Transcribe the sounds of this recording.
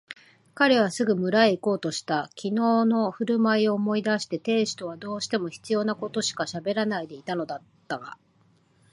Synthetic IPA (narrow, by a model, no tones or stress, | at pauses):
kaɾe̞β̞asɨɡɯ̟mɯ̟ɾaeiko̞ːt̪o̞ɕi̥t̪akʲʰino̞ːno̞ɸɯ̟ɾɯ̟maio̞ːmo̞id̪aɕi̥t̪e̞t̪e̞ːɕi̥t̪o̞βad̪o̞ːɕi̥t̪e̞mo̞çi̥t͡sɨjo̞ːnako̞t̪o̞ɕi̥kaɕabe̞ɾanaid̪e̞it̪ano̞d̪at̪ːaɡa̰